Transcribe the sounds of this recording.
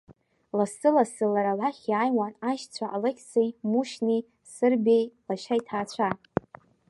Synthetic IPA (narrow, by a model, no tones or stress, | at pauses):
lasɨlasɨlaɾalaχʲaːjwanaʃt͡sʷʰaʔalekʲʰt͡sʰejmuʃni | sɨrbejlaʃajtʰaːt͡ɕʷʰa